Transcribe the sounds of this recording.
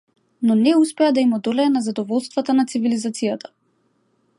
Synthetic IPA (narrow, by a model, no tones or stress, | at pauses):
nɔnɛuspɛad̪aimɔd̪ɔlɛːnazad̪ɔvɔlˠst̪vat̪anat̪sivilizat̪sijat̪ḁ